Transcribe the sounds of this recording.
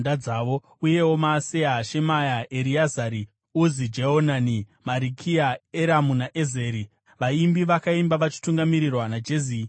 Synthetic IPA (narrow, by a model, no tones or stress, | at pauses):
ndaaːʋo̞ | uje̞wo̞maːse̞aʃe̞majaeɾiazaɾi | uzid͡ʒeɦonanimaɾikʰiaeɾamunaʔeze̞ːɾi | ʋaimbiʋakaimbaʋat͡ʃi̥tuŋɡamiɾirwanad͡ʒezi